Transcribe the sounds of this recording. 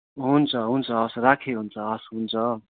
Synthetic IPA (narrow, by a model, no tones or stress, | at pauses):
ɦunt͡sʰʌɦunt͡sʰʌʌsrakʰeɦunt͡sʰʌʌsɦunt͡sʰʌ